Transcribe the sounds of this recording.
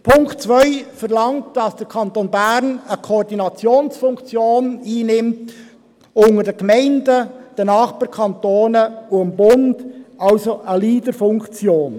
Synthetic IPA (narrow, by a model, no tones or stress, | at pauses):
pʰʊŋktt͡svœʏfɛʁlɑŋt̚d̥ɑsd̥əɾkʰɑntonbæɾnəkʰoːɾdinɑt͡sjoːnsfʊŋkt͡sjoːniːnɪmt | ʊŋədəɡ̥mɛɪndəd̥ənɑːχb̥ɑːɾkʰɑntoːnəʊəmbʊndʔɑlsoʔəliːdəfʊŋkt͡sjoːn